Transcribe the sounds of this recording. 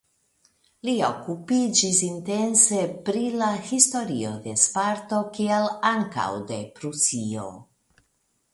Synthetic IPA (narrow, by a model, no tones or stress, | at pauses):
lio̞kupid͡ʒisinte̞nse̞pɾilahisto̞ɾio̞d̪e̞spaɾto̞kialaŋka̰wde̞pɾusio̞̰